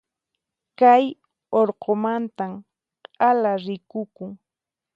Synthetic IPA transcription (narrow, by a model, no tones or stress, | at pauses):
kaj | oɾqomant̪am | qʼalaɾɪkʊkʊŋ